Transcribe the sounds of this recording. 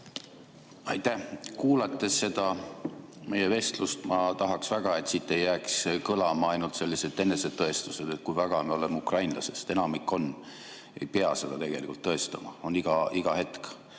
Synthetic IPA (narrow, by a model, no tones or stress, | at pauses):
ɑjt̪æhkuːlɑt̪ˑːe̞sːe̞d̪̥ɑ | me̞jeve̞st̪lust̪mɑt̪ɑɦɑksvæɡ̥ɑe̞t̪siːt̪ːe̞jːæːkskɤlɑmɑɑjnult̪se̞lːise̞d̪̥e̞nːe̞se̞d̪̥̚t̪ːɤ̞e̞st̪use̞d̪̥et̪̚kujvæɡ̥ɑmeo̞le̞mukrɑjnlɑ̰se̞st̪e̞nɑmikːˑo̞n | e̞̰jpeɑse̞d̪̥ɑt̪e̞ɡ̥e̞likult̪ːɤ̞e̞st̪ɑmɑ̰o̞niɡ̥ɑiɡ̥ɑhe̞t̪k